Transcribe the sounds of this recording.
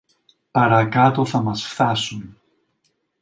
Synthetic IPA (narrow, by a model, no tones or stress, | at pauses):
paɾaðkaːt̪oθamasfθaːsum